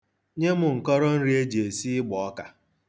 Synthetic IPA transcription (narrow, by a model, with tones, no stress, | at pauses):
ɲe˦mʊ˨ŋ̩˨kɔ˦ɾɔ˦n̩˦ɾi˦e˦d͡ʒe˨si˦ɪ˦ɡ͡bɔ˨ɔ˦ka˨